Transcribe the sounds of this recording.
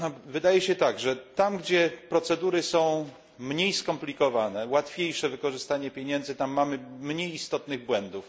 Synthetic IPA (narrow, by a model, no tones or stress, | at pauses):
avɘd̪ajɛɕɛt̪aɡʐɛt̪amɡd͡ʑɛpɾɔt̪sɛd̪uɾɘsɔ̃w̃ | mɲejskɔmplʲikɔvanɛwat̪fʲjejʂɛvɘkɔʐɘst̪aɲɛpʲjeɲɛnd̪zɘt̪amːamɘmɲejist̪ɔt̪nɘɣbwɛnd̪uf